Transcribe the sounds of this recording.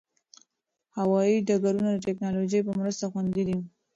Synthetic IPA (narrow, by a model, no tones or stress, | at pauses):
hawɑiɖaɡaɾunad̪əʈɛknɑloʒəjpəmɾəst̪axwand̪id̪i